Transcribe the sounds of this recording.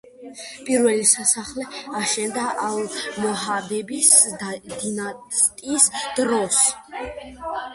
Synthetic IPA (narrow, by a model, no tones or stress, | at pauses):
pʼiɾvɛlisasaχlɛaʃɛnd̪aʔalˠmɔɦad̪ɛbisd̪d̪inast̪ʼisd̪̥ɾɔs